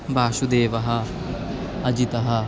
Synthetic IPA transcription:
baːʃud̪eːʋɐɦa | ɐd͡ʒit̪ɐɦa

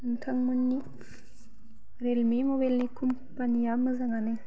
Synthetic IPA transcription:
ɯnkʰaŋmunːi | ɾelmimobalnikʰum | panijamɯzaŋanɯ

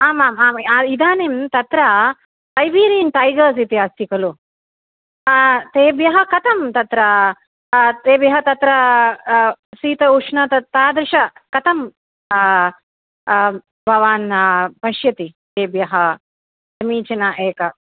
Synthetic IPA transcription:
aːmaːmaːmaid̪aːnemt̪ɐt̪ɾɐ | tɐjʋiːɾiːnt̪aːjɡɐːsit̪iaːsikɐlu | t̪eːbjɐɦɐkɐt̪ʰɐmt̪ɐt̪ɾɐ | t̪eːbjɐɦɐt̪ɐt̪ɾɐ | siːt̪ɐuʂnɐt̪ɐt̪aːd̪ɾɪʃɐkɐt̪ʰɐm | bʱɐʋaːnpɐʃjɐt̪it̪eːbjɐɦɐ | sɐmiːt͡ʃɐnaʔeːkɐ

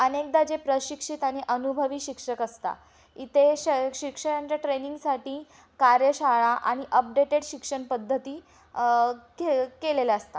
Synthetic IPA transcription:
ənek̚d̪ad͡ʑepɾəɕikʂit̪aɽ̃iʔənubʱəʋiːɕikʂəkəst̪a̰ | it̪ʰeɕɕikʂəɾaɲt͡ɕjaʈɾeniŋɡsaʈiː | kaɾjəɕaɭaʔaɽ̃iʔəp̚ɖeʈeɽɕikʂəɳpəd̪ʱːət̪iː | kekelelaəst̪a

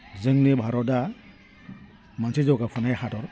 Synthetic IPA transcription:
zɯŋnɯbʱaɾɔda | mansʰizɔɡapʰɯnajhatɔɾ

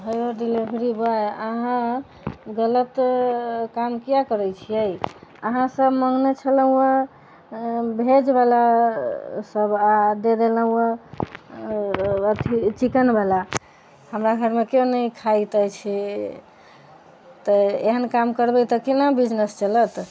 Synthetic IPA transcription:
ɦəjoɖilibʱɾibaeəɦã | ɡələt̪ | kamkijakəɾəjt͡ʃʰiəjəɦãsəbməŋɡnet͡ʃʰələ̃ə | bʱed͡ʒbala | səbad̪ed̪elə̃ə | t̪ʰit͡ʃikənbala | həmɾaɡʱəɾmekjonəjkʰait̪əjt͡ʃʰi | t̪əeɦənkamkəɾbət̪əkinabid͡ʒnest͡ʃələt̪

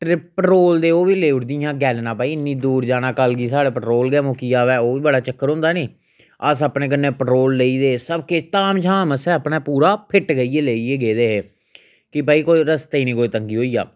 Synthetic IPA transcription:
ʈɾɪpəʈoːld̪eːoːʋiːleːʊɽd̪ijãːɡɛːlnãːpaːiːɪnːĩːd̪uːɾd͡ʒaːnãːkəlɡiːsaːɽeːpəʈɾoːlɡɛːmoːkiːaːʋɛːoːʋiːbəɽaːt͡ʃəkːəɾʊ̃nd̪aːneː | əsaːpnẽːkənːẽːpəʈɾoːlːeiːd̪eːsəbket̪aːmt͡ʃʰaːməsɛːəpnaːpuːɾaːpʰɪʈɡəieːleːieːɡeːd̪eːɦeː | kɪpaːiːkoːiɾəst̪ːiːnĩːkoːiːt̪əŋɡiːɦoːiːja̰ː

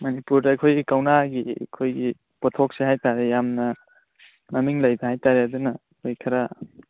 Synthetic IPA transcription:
mɐnipuɾdakʰojɡikawnaɡikʰojɡi | pɔt̪ʰok̚seɦajtaɾejamnɐ | namiŋlajbaɦajtaɾjad̪una | kʰojkʰɐɾa

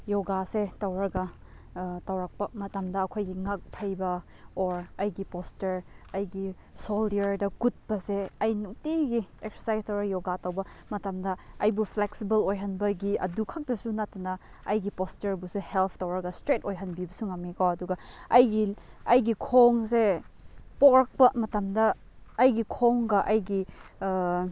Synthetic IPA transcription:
joɡasetawɾaɡɐ | tawɾak̚pɐmɐtamdɐːkʰojɡiŋak̚pʰajbɐ | oɾɐjɡipostɐɾɐjɡi | soldɐɾdɐkut̚bɐseɐjnuktiɡiekseɾsajstɐwɾajoɡatawbɐmɐtamdɐɐjbupʰleksibɐlojɦɐnbɐɡiɐ̰dukʰak̚dɐsunatɐnɐ | ɐjɡipostɐɾbusuhelpʰtɐwɾɐɡɐstɾetojɦɐnbibɐsuŋamekawɐduɡɐɐjɡiɐjɡikʰoŋse | pokɾɐk̚pɐmɐtɐmdɐː | jɡikʰoŋɡɐʔɐjɡi

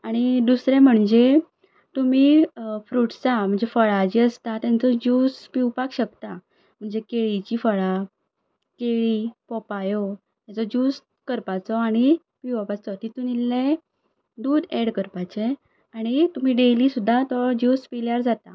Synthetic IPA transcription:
aɽ̃id̪usɾɛ̃m̤əɳd͡ze | t̪um̤iːfɾuʈt͡sam̤əɳd͡zefəɭad͡ʑiəst̪at̪jãnt͡sɔd͡ʑuːspiwpakɕəkt̪a | m̤əɳd͡zekeɭit͡ɕifəɭa | keɭipɔpajɔ | t̪jat͡sɔd͡ʑus | kəɾpat͡sɔaɽ̃i | piʋapat͡sɔt̪it̪unilːe | d̪uːd̪eɽkəɾpat͡ɕe | aɽ̃it̪um̤iːɖelisud̪ʱːat̪ɔd͡ʑuːspiljaɾd͡zat̪a

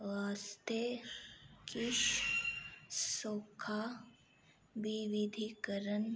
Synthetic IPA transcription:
ʋaːst̪e | kɪʃ | soːkʰa | biʋid̪ʱikəɾən

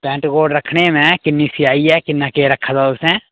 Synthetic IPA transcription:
pɛ̃ːɳʈɡoːɖɾɐkʰnemẽkɪnːisiaːiɦɛkɪnːakeɾɐkʰːat̪aʊsẽ

